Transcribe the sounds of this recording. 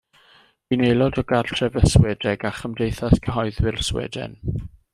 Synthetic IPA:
w̥inejlˠɔdɔɡarɬtʰrɛvəswɛdɛɡaχəmdejθaskʰəɦɔɨðwɪrswɛ̰dɛ̰n

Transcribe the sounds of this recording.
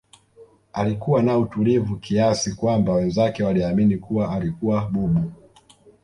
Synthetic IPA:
alikuwanautulivukiasikwambawɛnzakɛwaliaminikuwaːlikuwaɓuɓu

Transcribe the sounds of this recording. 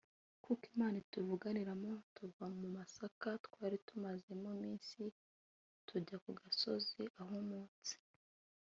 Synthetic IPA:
kukimaːnituvuɡaniɾamo̞tuvamumasakatwaːɾitumazemomiːnsi | tʰuɟakuɡaso̞ziʔaɦomuːnt͡si̥

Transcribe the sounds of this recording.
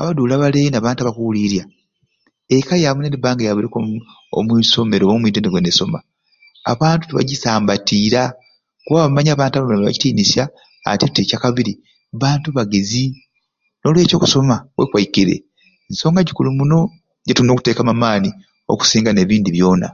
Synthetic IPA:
a̰βaduːlaβaleːnaβaːntaβakuliɾja | ekajamuneɾibaːŋɡajaβuɾeko | o̰mwiːso̞me̞ɾomiːtendeɡweneso̞ma̰ | a̰βaːntu̥tuβa̰ɟisaːmbatiːɾa | kuβaβaβamaɲaːβaːntaβamlemeβa̰ɟi̥tiːnisja̰ː | titecakaβiɾi | βaːntuβaɡezi | nolwe̞ːco̞ːku̥so̞mawekwajikiɾe̞̰ | nso̞ːŋɡaɟikulimuno̞ | ɟetuino̞ːku̥te̞ːkamamaːni | o̞̰ku̥siːŋɡane̞ːβiːndiβjo̞ːna̰

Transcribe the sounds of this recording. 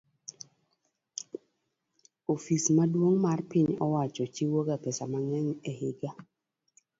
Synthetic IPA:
ofismadwoŋmarpɪɲɔwat͡ʃɔt͡ʃiwoɡapɛsamaŋɛɲɛhɪɡa

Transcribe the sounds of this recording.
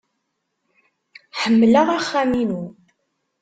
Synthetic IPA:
ħəmːləʁaχːæminu

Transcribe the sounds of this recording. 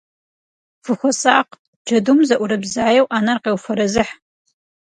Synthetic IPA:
fɨxʷɔsaːq | d͡ʒɐdumzɐʔʷʊɾɐbzaːjɛwʔaːnɐrqeːwfɐɾɐzɨħ

